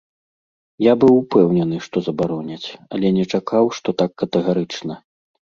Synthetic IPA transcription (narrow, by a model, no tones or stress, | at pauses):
jabɨwpɛwnʲɛnɨʂt̪ɔzɐbaɾɔnʲɐt͡sʲɐ̰lʲɛnʲɛt͡ʂakʰawʂt̪ɔt̪akːɐt̪ɛɣaɾɨt͡ʂnɐ